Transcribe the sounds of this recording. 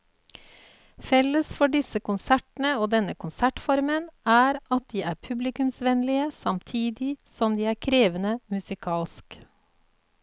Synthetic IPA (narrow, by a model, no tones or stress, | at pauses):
fɛləsfɔɖɪsəkʊnsæʈn̩əoːd̪ɛnəkʰʊnsæʈfɔɾmənæːɾɑt̪̚d̪iːʔæːɾpʰʉblɪkʉmsʋɛnlɪəsɑmt̪ʰiːd̪ɪsɔmd̪iːæːɾkʰɾeːʋənəmʉsɪkʰɑːlsk